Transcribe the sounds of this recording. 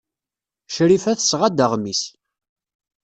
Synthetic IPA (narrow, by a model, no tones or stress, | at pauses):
ʃɾifæθəsʁad̪əʁmis